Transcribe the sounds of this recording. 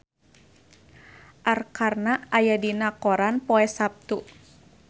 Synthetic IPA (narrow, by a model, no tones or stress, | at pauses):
ʔarkarnaajadinakɔɾanpɔɛsap̚t̪u